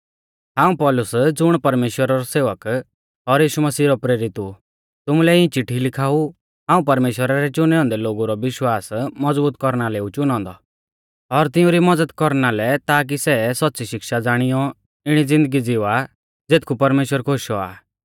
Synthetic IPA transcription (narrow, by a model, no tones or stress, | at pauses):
ɦãːũpɔːlʊsd͡zʊɽ̃pɐɾmeːʃwəɾaɾɔseːʋək | ɔɾjiːʃumɐsiːɾɔpɾeːɾɪt̪u | t̪ʊmulɛĩt͡ʃɪʈʰːilɪkʰaːu | ɦãːũp̬ɐɾmeːʃwəɾaɾɛt͡ʃʊnɛɔ̃ːnd̪ɛloːɡuɾɔʋɪʃwaːsmɐd͡zbuːt̪kɔɾnaleːut͡ʃʊnɔ̃ːnd̪ɔ | ɔɾt̪ɪ̃ũɾimɔd͡zəd̪kɔɾnalɛt̪aːk̬isɛsɔt̪ːt͡siʃɪkʃad͡zaːɽ̃ijɔ | ɪɽ̃id͡zɪ̃nd̪əɡid͡zɪʋa | d͡zeːt̪̚ʰkʰupɐɾmeːʃwəɾkʰoʃɔa̰ː